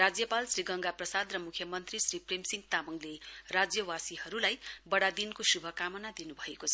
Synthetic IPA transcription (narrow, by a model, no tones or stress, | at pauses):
rad͡zjʌpalsriɡʌŋɡaprʌsad̪rʌmukʰjʌmʌnt̪risripremsiŋɡt̪amʌŋlerad͡zjʌwasihʌɾulajbʌɽad̪inkosubʱʌkamʌnad̪inubʱʌekot͡sʰʌ